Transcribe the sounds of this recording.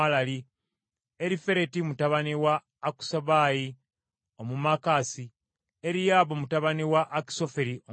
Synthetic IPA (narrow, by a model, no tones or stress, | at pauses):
alali | eɾife̞ɾe̞timutaβaniwaː | ku̥saβaji | o̞mumakaːsi | eɾijaːβomutaβaniwaʔːki̥so̞feɾio